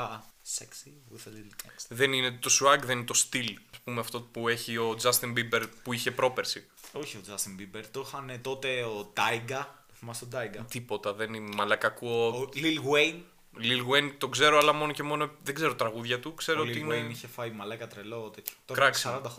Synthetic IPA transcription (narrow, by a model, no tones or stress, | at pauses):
seksi | uθelilsðe̞nine̞t̪o̞suɐɡðe̞ninet̪o̞st̪ilɐspumeɐft̪o̞pueçio̞d͡zɐst̪imbibeɾpuiçe̞pɾo̞pe̞ɾsi | oçiod͡zɐst̪imbibeɾt̪oxɐnet̪o̞t̪eot̪ɐiɡɐ | oθimɐsod̪ɐiɡɐt̪ipo̞t̪ɐðe̞ninmɐlɐkɐkuolilɣwejn | lilɣwejnt̪o̞ɡze̞ɾo̞ɐlɐmo̞no̞ce̞mo̞noðeɡze̞ɾot̪ɾɐɣuðʝɐt̪ukse̞ɾoiineniçefɐjmɐlɐkɐt̪ɾelot̪et̪ço̥kɾɐksɐɾɐnd̪ɐxo